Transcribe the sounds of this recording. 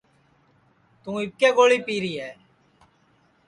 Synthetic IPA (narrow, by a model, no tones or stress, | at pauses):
t̪ũːɪp̚keːɡoːɭiːpiːɾiːɦɛː